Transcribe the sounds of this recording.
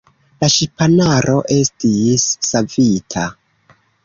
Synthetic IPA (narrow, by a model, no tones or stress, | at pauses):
laʃipanaɾʔo̞ʔe̞stisːavitʰa